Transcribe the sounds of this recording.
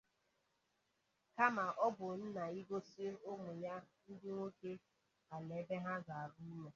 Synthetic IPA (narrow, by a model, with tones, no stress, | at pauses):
ka˦ma˨ʔɔ˦bʊ˨n̩˦na˨i˦ɡo˦si˦e˦o˦mʊ˨ja˦n̩˦dɪ˦ŋʷo˦ke˦ | a˨le˨˦be˦ɦa˦za˨a˨bu˦me˨